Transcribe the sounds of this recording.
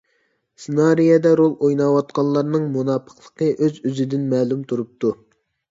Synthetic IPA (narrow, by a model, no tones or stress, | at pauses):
sɨnɑɾijɛd̪ɛɾolˠojnɑwɑt̪̚qɑnlˠːɑɾnɨŋmunɑpʰə̥qlˠə̥qəʔøzyzɪd̪ɪnmɛːlˠumt̪ʰuɾup̚t̪ʰu